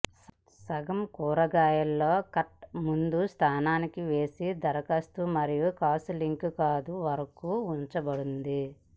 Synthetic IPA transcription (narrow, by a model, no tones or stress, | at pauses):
sɐɡɐmkuːɾɐɡaːjɐlːo̞ːkɐʈmund̪ust̪ʰaːnaːnikiʋeːsid̪ɐɾɐkɐst̪umɐɾijukaːsuliŋkkaːd̪uʋɐɾɐkuːuɲt͡ʃɐbɐɽund̪i